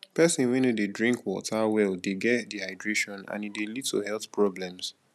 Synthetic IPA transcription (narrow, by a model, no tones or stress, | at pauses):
pɛsĩnwɛ̃nodedɹĩŋkwɔ̰tʰawɛldeɡɛtdihaɪdɹeʃɔ̃nã̰nidelid̚tʰo̰hɛlˠθpʰɹɔblɛ̃ms